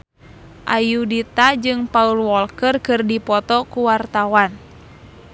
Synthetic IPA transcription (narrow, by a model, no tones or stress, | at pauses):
ʔajudit̪ad͡ʒɨŋpaulwɔlkərkɨrdipɔt̪ɔkuwart̪awan